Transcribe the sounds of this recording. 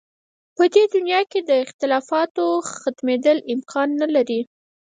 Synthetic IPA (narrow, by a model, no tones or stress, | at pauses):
pəd̪ed̪ʊnjɑked̪əɪxt̪ɪlɑfɑt̪oxat̪med̪əlɪmkʰɑnːalaɾi